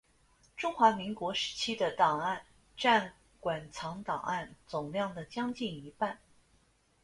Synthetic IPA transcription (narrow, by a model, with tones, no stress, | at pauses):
ʈ͡ʂʊ˥ŋxwa˧˥mi˧˥ŋkwɔ˧˥ʂɻ̩˧˥t͡ɕʰi˥d̪ə˨t̪ɑ˨˩ŋa˥˩˧n | ʈ͡ʂa˥˩n | kwa˨˩nt͡sʰɑ˧˥ŋt̪ɑ̰˨˩ŋʔa˥˩nt͡sʊ˨˩ŋljɑ˥˩ŋd̪ə˩t͡ɕjɑ˥ŋt͡ɕi˥˩ni˧˥pa˥˩n